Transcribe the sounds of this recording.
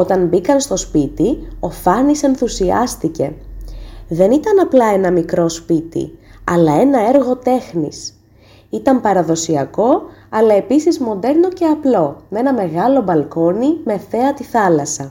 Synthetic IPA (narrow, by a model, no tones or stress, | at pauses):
o̞t̪ɐnbikɐnst̪o̞spit̪io̞fɐnise̞nθusiɐst̪ice̞ | ðe̞nit̪ɐnɐplɐe̞nɐmikɾo̞spit̪ḭɐlɐe̞nɐe̞ɾɣo̞t̪e̞xnḭs | it̪ɐmpɐɾɐðo̞siɐko̞ɐlɐe̞pisizmo̞nd̪e̞ɾno̞ce̞ɐplo̞me̞nɐme̞ɣɐlo̞bɐlko̞nime̞θe̞ɐt̪iθɐlɐsɐ